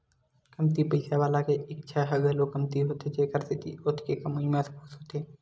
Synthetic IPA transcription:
kəmt̪ipəɪsaʋaːlakeɪk̚t͡ʃʰaɦəɡəlokəmt̪iɦoːt̪ed͡ʒeːkəɾsɪt̪iʊt̪ʰkekəmuimẽspuksɦoːt̪eː

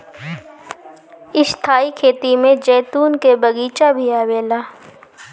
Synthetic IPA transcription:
ɪʃt̪ʰaːikʰeːt̪imẽd͡ʒɛːt̪uːnkebɐɡiːt͡ʃabʱiaːweːlaː

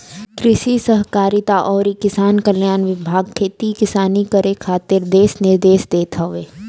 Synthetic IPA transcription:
kɾɪʃisəɦkaːɾit̪aʔɔːɾikɪsaːnkəljaːnʋɪbʱaːɡ̚kʰeːt̪ikɪsaːnikəɾekʰaːt̪ɪɾd̪eːsnɪɾd̪eːsd̪eːt̪ʰaʋeː

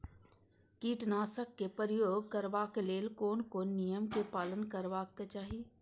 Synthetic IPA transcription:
kiːʈnaːsəkːepəɾjoːɡ̚kəɾʋaːkeleːlkoːnkonijəmkepaːlənkəɾʋaːkːet͡ʃaːɦi

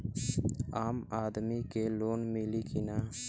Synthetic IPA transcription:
aːmaːd̪mikeloːnmɪlikɪnaː

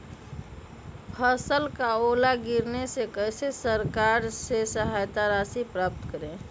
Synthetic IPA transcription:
pʰəsəlkaolaɡiɾnesekəjsesəɾkaɾsesəɦajt̪aɾasipɾap̚t̪kəɾẽ

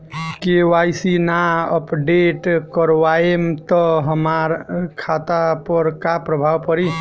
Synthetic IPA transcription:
kewajsinaəpɖeʈkəɾʋaemt̪ɔɦəmaɾkʰat̪apəɾkapɾəbʱawpəɾi

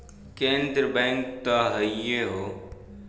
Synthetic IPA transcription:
kẽːnd̪ɾəbɛ̃ːŋk̚t̪aɦəijeɦoː

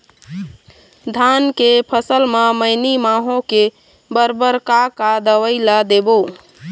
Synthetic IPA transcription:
d̪ʱankepʰəsəlmeməɪnimaɦõke | bəɾbəɾkakad̪əʋəɪlad̪ebo

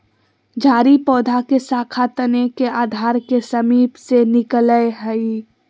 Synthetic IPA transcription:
d͡ʒʱaːɾipɔːd̪ʱakesaːkʰat̪ənekeaːd̪ʱaːɾkesəmiːpsenɪkləjɦəi

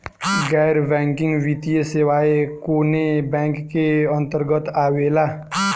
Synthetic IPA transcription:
ɡɛːɾbɛ̃ːŋkɪ̃ŋɡʋit̪ijesewaːekoːnebɛ̃ːŋkːeə̃nt̪əɾɡət̪aːweːla

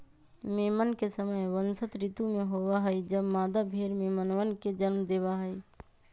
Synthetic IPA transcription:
meːmənkesəməjʋənsət̪ɾit̪umeɦobaɦəjd͡ʒəbmaːd̪abʱeɾmemənʋənked͡ʒənmd̪eːbaɦəi

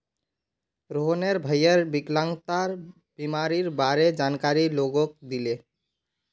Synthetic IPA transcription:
ɾoɦneɾbʱəjəɾbiklãŋɡt̪aɾ | b̥imaɾiɾbaɾed͡ʒankaɾiloɡok̚d̪ile

